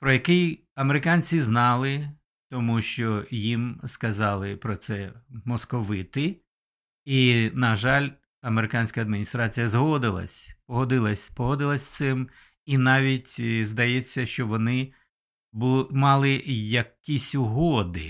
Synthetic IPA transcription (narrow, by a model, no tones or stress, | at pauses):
pɾɔjɐkɪj | ɐmeɾɪkɑnʲt͡sʲiznɑlˠɪ | t̪ɔmuʃt͡ʃɔjimskɐzɑlˠɪpɾɔt̪sɛmɔskɔʋɪt̪ɪ | inɐʒɑlʲ | ɐmeɾɪkɑnʲsʲkɐːd̪mʲinʲist̪ɾɑt͡sʲijɐzɦɔd̪ɪlˠɐ̰sʲpɔɦɔd̪ɪlˠɐsʲpɔɦɔd̪ɪlˠɐsʲt̪sɪm | inɑʋʲitʲzd̪ɐjɛt͡sʲːɐʃt͡ʃɔʋɔnɪ | bmɑlˠɪjɐkisʲʊɦɔd̪ɪ